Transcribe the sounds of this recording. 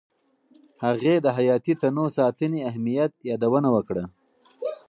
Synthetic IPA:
haɣed̪əɦajɑːt̪it̪anosɑt̪əniaɦmijat̪̚jɑd̪awənawəkɽə

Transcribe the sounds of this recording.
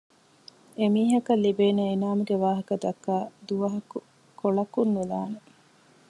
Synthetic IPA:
emiːɦɐkɐlːibeːneinaːmuɡeʋaːɦɐkɐd̪ɐkːaːd̪uʋɐɦɐku | koɭɐkunːulaːne

